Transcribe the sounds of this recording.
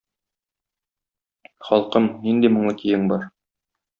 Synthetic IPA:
χɒlˠqɤmnind̪imŏɴˠɤk̪ijɘŋbɒɾ

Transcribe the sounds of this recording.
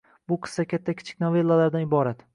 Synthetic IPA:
bʊqʰɨ̥sːakʲʰat̪ʰːakʲʰɪ̥t͡ʃʰɪ̥kʲnɒve̞lˠːalaɾd̪anɪbɒɾat̪

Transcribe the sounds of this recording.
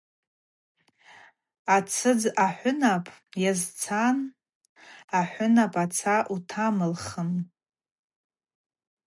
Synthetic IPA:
at͡sʰɨd͡zaħʷʊnapʼjazt͡sʰan | aħʷʊnapʼat͡sʰaʔutʰamɨlχəm

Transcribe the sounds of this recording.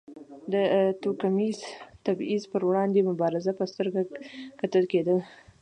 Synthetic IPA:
d̪ət̪okamizt̪abizpəɾwɽɑnd̪emʊbɑɾɪzapəst̪əɾɡakat̪əlked̪əl

